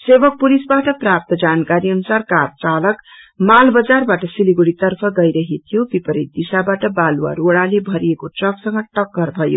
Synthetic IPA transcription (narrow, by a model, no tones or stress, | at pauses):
sebʌk̚pulisbaʈʌprap̚t̪ʌd͡zankaɾiʌnusarkart͡salʌk | malbʌd͡zarbaʈʌsiliɡuɽit̪ʌrpʰʌɡʌjɾʌɦet̪ʰijobipʌɾit̪̚d̪isabaʈʌbalwa̰ɾoɽalebʱʌɾiekoʈrʌksʌŋɡʌʈʌkːʌrbʱʌjo̰